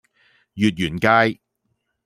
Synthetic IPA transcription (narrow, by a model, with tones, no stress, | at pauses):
jyː˨t̚jyː˨˩nkaː˧j